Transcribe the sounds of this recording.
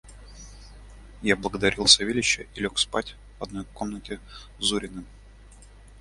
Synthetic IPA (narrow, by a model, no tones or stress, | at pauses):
jablˠəɡəd̪ɐɾʲilˠsɐvʲilʲɪɕːəʔilʲokspa̰tʲ | vɐd̪no̞jko̞mnətʲɪ | zuɾʲɪnɨm